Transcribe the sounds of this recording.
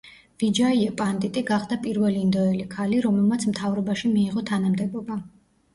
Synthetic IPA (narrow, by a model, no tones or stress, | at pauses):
v̥id͡ʒaiɛpʼant̪ʼit̪ʼiɡaχd̪apʼiɾvɛliːnd̪ɔɛlikʰaliɾɔmɛlˠmat̪sʰmt̪ʰavɾɔbaʃimiːʁɔt̪ʰanamd̪ɛbɔba